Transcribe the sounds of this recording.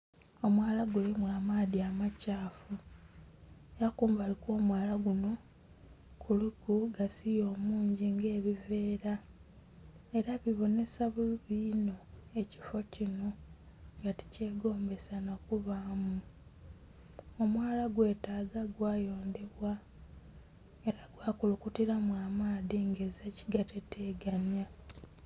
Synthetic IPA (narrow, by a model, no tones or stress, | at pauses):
o̞mwaːlaɡelimwaːmaːðiamacaːfu | ejakuːmbaliko̞ːmwaːlaɡuno̞ | kʰulukuɡasijo̞ːmuːɲɟiŋɡe̞ːβive̞ːɾa | e̞ɾaβiβo̞ne̞saβuliβiːno̞e̞ci̥fo̞cino̞ | ŋɡati̥ce̞ːɡo̞ːmbe̞sanakuβaːmu | omwaːlaɡwe̞ːtaːɡaɡwaːjo̞ːnde̞βwa | e̞ɾaɡwaːkulukutiɾamwaːmaːðiŋɡe̞zaci̥ɡateteːɡanja